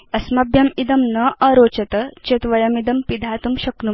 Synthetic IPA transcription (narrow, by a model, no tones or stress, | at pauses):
ɐsmɐbʱjɐmid̪ɐmnɐʔɐɾoːt͡ʃɐt̪ɐt͡ʃet̪ʋɐjɐmid̪ɐmpid̪ʱaːt̪umɕɐknu